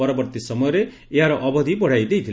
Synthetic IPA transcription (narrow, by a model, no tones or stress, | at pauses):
ɔɾɔbɔɾt̪isɔmɔjɔɾe | eɦaɾɔʔɔbɔd̪ʱibɔɽ̤ajd̪ejt̪ʰil